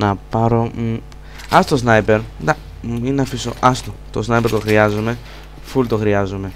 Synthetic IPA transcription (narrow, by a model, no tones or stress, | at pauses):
nɐpɐɾo̞ | ɐsot̪os̬nɐjpeɾd̪ɐ | inɐfiso̰ʔɐst̪ot̪osnɐjpe̞ɾt̪o̞xɾiɐzume̞ | fult̪oxɾiɐzume̞